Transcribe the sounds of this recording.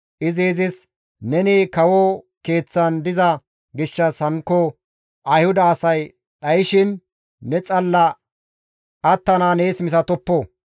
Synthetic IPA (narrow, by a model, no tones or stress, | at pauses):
ʔɪzeːzɪs | nɛniːkɐwɔ | ke̞ːt͡sːɐnd̪ɪzɐ | ɡɪʃːɐshɐŋkːɔ | ʔɐjhʊd̪ɐːsɐj | ɗɐjɪʃɪnː | ɛt͡sʼɐlːɐ | ʔɐt̪ːɐnaːneːsmɪsɐt̪ɔpːoː